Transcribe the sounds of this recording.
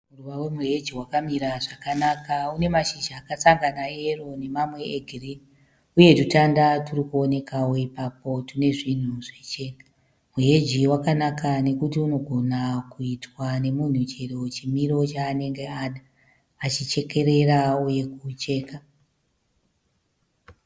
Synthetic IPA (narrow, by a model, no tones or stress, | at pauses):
muruʋawemuɦe̞d͡ʒiwakamiɾaʐakanakaune̞maʃiʒaːkat͡saŋɡanae̞ro̞ne̞mamwe̞ːɡʱirini | uje̞tutandaturikuone̞kawo̞ipapo̞tune̞ʐin̤uʐet͡ʃe̞ːna | muɦe̞d͡ʒiwakanakane̞kutiuno̞ɡʱo̞nakuitwane̞mun̤ut͡ʃerewet͡ʃimiɾo̞t͡ʃaːne̞ŋɡe̞aɗa | at͡ʃit͡ʃe̞ke̞ɾe̞ɾauje̞kut͡ʃe̞ːka